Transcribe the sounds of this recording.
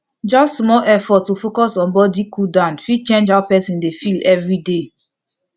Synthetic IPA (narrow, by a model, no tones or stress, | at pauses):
d͡ʒɔstmɔlʔɛfɔtːufokɔsɔ̃nbɔdikudãnfit͡ʃẽnd͡ʒawpɛsĩndefilɛvɹide